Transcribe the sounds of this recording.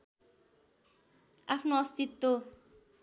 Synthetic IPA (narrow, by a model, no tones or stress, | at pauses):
apʰnoʌst̪it̪ːo